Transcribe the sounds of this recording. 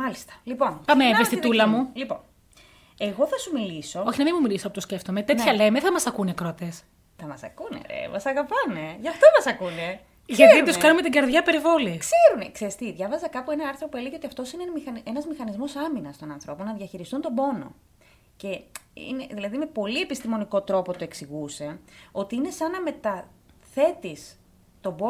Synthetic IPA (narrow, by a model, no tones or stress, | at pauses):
mɐlist̪ɐ̥lipo̞npameevest̪it̪ulɐmulipo̞̰n | e̞ɣo̞θɐsumiliso̞o̞çinɐminmumilisɐpot̪osce̞ft̪omet̪et̪çɐlemeθɐmɐsɐkunekɾot̪es | θɐmɐsɐkunḛḛmɐsɐɣɐpɐneʝɐft̪omɐsɐkune̞ | ʝɐt̪iuskɐnume̞t̪iɡɐɾðʝɐpe̞ɾivo̞likse̞ɾunekseɾist̪iðʝɐvɐzɐkɐpuenɐɐɾθɾo̞poeliʝiot̪iɐft̪o̞sinemixɐnenɐzmixɐnizmo̞sɐminɐst̪o̞nɐnθɾo̞po̞nɐðjɐçiɾist̪unt̪o̞bo̞no̞̰ | ce̞ḭneðilɐðime̞po̞lie̞pist̪imo̞niko̞t̪ɾo̞po̞t̪o̞e̞ksiɣuse̞o̞t̪iine̞sɐnɐme̞t̪ɐθe̞t̪is | t̪o̞bo